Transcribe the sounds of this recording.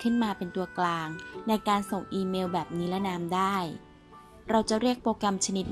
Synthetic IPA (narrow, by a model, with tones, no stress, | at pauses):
kʰɯ˥˩nmaː˧pe˧nt̪u˧ɐklaː˧ŋna˧jkaː˧nso˨˩ŋʔiː˧meː˧wbɛː˨˩p̚niː˦˥lɛ˦˥naː˦˥mdaː˥˩j | ɾa˧wt͡ɕa˨˩ɾi˥˩ək̚pɾoː˧kɾa˧mt͡ɕʰa˧ni˦˥t̪̚